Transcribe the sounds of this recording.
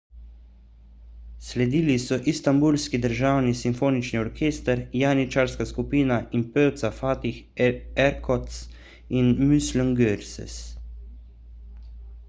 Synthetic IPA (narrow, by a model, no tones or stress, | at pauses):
slɛd̪iːlisɔʔist̪ambulskid̪əɾʒaːwnisimfoːnit͡ʃniɔɾkʰeːst̪əɾjanit͡ʃaɾskaskupiːnaʔinpøːwt̪safaːt̪ix | ɛɾkʰɔt̪s | inmysləŋɡøɾsɛ̰s